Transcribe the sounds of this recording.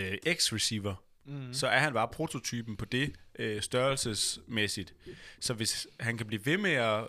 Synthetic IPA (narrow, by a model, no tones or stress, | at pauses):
ʔeɡ̥sʁisiːʋɐ | sɒ̽æɐɦænb̥ɑ̈ːpʰʁo̝t͡sʰo̝t͡sʰyːb̥n̩pʰɒ̽d̥e̝ʔøsd̥ɶɐlsəsmesid̥sɒ̽ʋe̝shænkʰæb̥liːʋe̝meæ